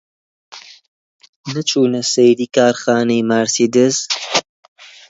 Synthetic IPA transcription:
nɨt͡ʃʰuːnɐsejd̪iːkaːɾxaːnejmaːɾsiːd̪ɨz

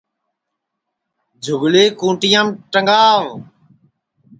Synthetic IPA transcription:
d͡ʒʱʊɡleːkũːʈɪjãːmʈəŋɡaːʋ

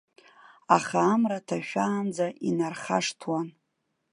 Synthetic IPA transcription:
aχaːmratʰaʃᶣaːnd͡zaʔinarχa̰ʂtʰwan

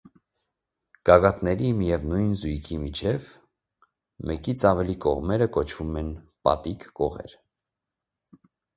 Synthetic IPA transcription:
ɡ̥ɑɡɑt̪nɛɾimijɛvnujnzujkʰimit͡ʃʰɛv | mɛkit͡sʰɑvɛlikɔ̰ʁmɛɾəkɔt͡ʃʰvumɛnpɑ̰t̪ikːɔʁɛ̰ɾ

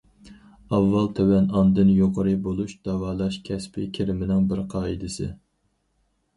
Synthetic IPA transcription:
ɑvːɑlˠt̪ʰøwɛnɑnd̪ɨnjoqʰəɾɨbolˠuʃd̪ɑvɑːlˠɑʃkʲʰɛspʰɪkʲʰiɾɪmɪnɪŋbɪɾqʰɑːid̪ɨsɨ

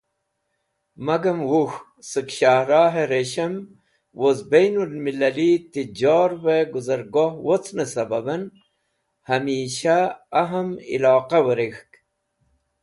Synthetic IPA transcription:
mɐɡɐmwux | sɨkɕahɾaːɦeɾeɕɐm | wozbejnulmilɐlit̪id͡ʑoːɾweɡuzɐɾɡohwot͡sʰnəsɐbɐbɐn | hɐmiːɕaːɦɐmḭlɑːqawəɾixk

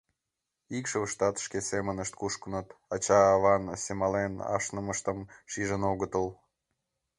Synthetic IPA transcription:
ikʃəvʃt̪ɑt̪ə̥ʃkʲesemənəʃt̪̚kuʃkənət̪ɑt͡ɕɑːβɑnsemɑlenɑ̰ʃnəməʃt̪əmʃiʒənoɣət̪əlˠ

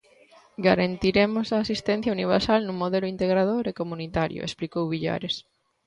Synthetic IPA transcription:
ɡaɾant̪iɾemʊsaːsist̪ɛ̃n̟θjauniβ̞eɾsalnũŋmoðelʊint̪eɣɾaðoɾekomũnit̪aɾjʊ̰ʔḛsplikowβiʎa̰ɾes

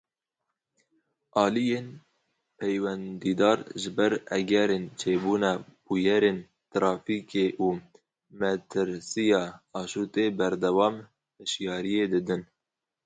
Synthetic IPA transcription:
ʔɑːlijeːn | pʰɛjwɛnd̪iːd̪ɑːɾʒɨbɛɾɛ̰ɡɛɾeːnt͡ʃʰeːbuːnɑb̥ujɛɾeːn | t̪ɾɑːfiːkeːʔuː | mɛt̪ʰɨɾsijɑːɑːʃuːt̪eːbɛɾd̪ɛwɑːm | hɨʃjɑːɾijeːd̪ɨd̪ɨn

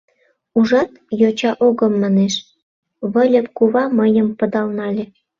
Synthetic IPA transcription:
uʒɑt̪jot͡ɕɑʔoɣə̆mːɑneʃ | βəlʲəp̚kuβɑməjəmpə̆d̪ɑlnɑlʲĕ

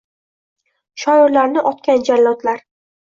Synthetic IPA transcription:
ʃɒɪɾlaɾnɪʔɒt̪kʲand͡ʒallɒt̪laɾ

